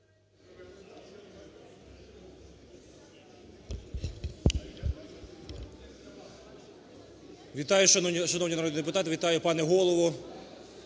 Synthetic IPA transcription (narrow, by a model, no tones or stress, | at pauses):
ʋʲit̪ɑjʊʃɐʃɐnɔwnʲinɾɔd̪ʲd̪ep̬ʊt̪ɑt̪ɪʋʲit̪ɑjʊpɑnɛɦɔlˠɔʋʊ